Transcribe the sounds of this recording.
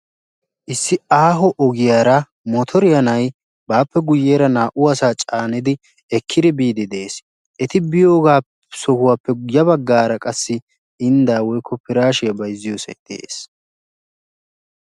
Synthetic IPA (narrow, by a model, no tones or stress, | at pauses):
ʔɪsːɪaːɦɔʔɔɡɪjaːɾɐ | mɔt̪ʰɔɾɪjɐnɐj | baːpːɛɡʊjːeːɾɐnaːʔʊɐsaːt͡ʃʼaːnɪd̪ɪ | ɛkʰːɪd̪ɪbiːd̪ɪd̪e̞ːs | ʔɛt̪ɪbɪjo̞ːɡaː | sɔhʊwaːpːɛjɐbɐɡːaːɾɐkʼɐsːɪ | ɪnd̪aːwɔjkʰːɔpɪɾaːʃɪjɐbɐjzːɪjoːsɐ̰d̪̥ḛːs